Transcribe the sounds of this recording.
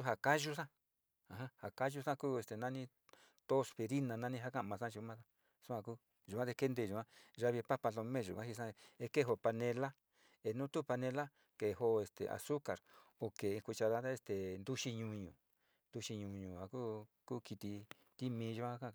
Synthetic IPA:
u˦ɦa˨ka˦ʒu˦sã˦ | a˨ɦã˦ha˨ka˦ʒu˦sã˦kuː˦e˧st̪e˨nã˦nĩ˦ | t̪o˦spe˧ɾi˦nã˧nã˦nĩ˦ɦa˦kã˦ʔmã˧sã˦˧ʒu˧mã˦sa˦ | su˦ã˧ku˦ | ʒu˨kʷã˦ðe˧ke˦nd̪e˧˨ʒu˨ã˦ʒa˧βi˧pa˦pa˧lo˧mẽ˦˨ʒu˨ã˦hi˧sã˦˧e˧ke˦˨ɦo˧pa˧nẽ˧la˦ | e˧nũ˦t̪u˦pa˧nẽ˧la˦ | ke˨ho˧e˧˨st̪ḛ˨ʔa̰˨su˦ka˨ɾo˨ke˨˧kʷi˧t͡ʃa˧ða˦a˦e˧st̪e˨nd̪u˦ʃi˧ɲũ˧ɲṵ̃˨ | nd̪u˧ʃi˧ɲũ˧ɲũ˨ha˨ku˦ku˦ki˧t̪i˧ | t̪i˦mĩː˧˦˧ʒu˧kã˦a˦kã˦˧

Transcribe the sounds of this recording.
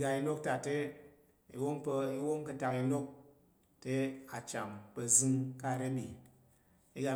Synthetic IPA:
ɡa˧i˧no˦k̚ta˨te˦ | i˨wo˦mpə˧i˦wo˦mkɨ˧ta˧ki˧no˦k̚ | te˦a˨t͡ʃa˨mpə˨zɨ˦ŋka˦˨ɾe˦bi˨ | i˦ɡa˧

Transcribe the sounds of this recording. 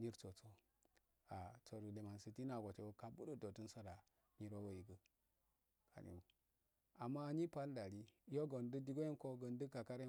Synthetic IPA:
ɲi˦ɾt͡so˨t͡so˦ | a˨t͡so˨ɾu˨de˨ma˨nsi˨ti˦na˨ɡʷo˨te˨wo˦ka˨bu˦də˦do˨tu˦nsa˦ɾa˨ | ɲi˦ɾo˦wo˨i˨ɡə˨ | kʰa̰˨nḭ˨wu˨ | a˨mːa˦˨ɲi˦pa˦lda˨ɾi˦o˦ɡə˨ndə˦di˦ɡo˦i˦nko˦ɡə˨ndə˦ka˨ka˦ɾe˦

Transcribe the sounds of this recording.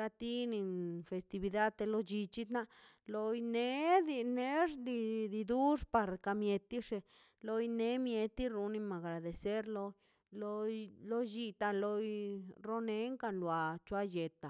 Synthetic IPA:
la˧t̪i˦ni˧nfe˨st̪i˧bi˧d̪a˦d̪̚t̪e˧lo˧d͡ʒi˧t͡ʃi˦t̪na˦˧ʔ | lo˧jne˦d̪i˧ne˦ʐd̪i˧d̪i˧d̪u˦ʂpa˧ɾka˧mje˧t̪i˦ʂe˧ | lo˧jne˧˦mje˧t̪i˦ɾu˧ni˧ma˨ɡɾa˨d̪e˨se˦ɾlo˧ | lo˧lo˦d͡ʒi˧t̪a˧lo˧jɾo˦ne˦ŋka˧nlwa˨t͡ʃwa˧je˨t̪a˨

